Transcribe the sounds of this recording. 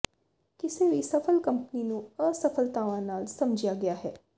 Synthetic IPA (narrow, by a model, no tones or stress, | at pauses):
kɪseʋisɐfʰəlkɐmpninũəsɐfʰəlt̪aːʋãnaːlsɐmd͡ʒijaɡɐjaɦɛː